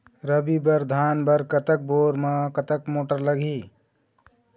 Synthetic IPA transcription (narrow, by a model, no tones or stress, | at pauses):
ɾəbibəɾd̪ʱanbəɾkət̪ək̚boɾmekət̪əkmoʈəɾləɡʱi